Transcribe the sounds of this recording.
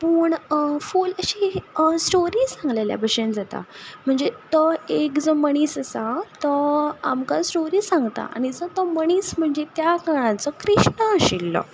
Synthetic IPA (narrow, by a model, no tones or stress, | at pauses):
puːɳfuləɕisʈoɾiːsãŋɡlelja̰bʱəɕend͡zat̪a̰m̤əɳd͡zet̪ɔekd͡zəməɽ̃iːsəsat̪əamkasʈoɾiːsãŋɡt̪a̰ʔa̰ɽ̃id͡zət̪ɔməɽ̃iːsm̤əɳd͡zet̪jakaɽ̃ãt͡səkɾiɕɳəəɕilːɔ̰